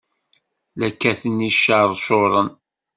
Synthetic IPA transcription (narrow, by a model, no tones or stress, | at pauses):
lækːæθəniʃːəɾˤsoɾˤən